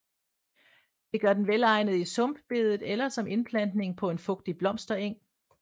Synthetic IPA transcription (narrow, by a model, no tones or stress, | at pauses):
d̥e̝ɡ̥ɶɐd̥enʋelɑ̈ɪ̰nð̞̩ˠisɔ̽mb̥b̥e̝ð̞ˠð̩ˠelɐsɒ̽me̝nb̥ʰlæn̰d̥ne̝ŋpʰɒ̽e̝nfɔ̽ɡ̥̚d̥ib̥lɒ̽m̰sd̥ɐeŋ̰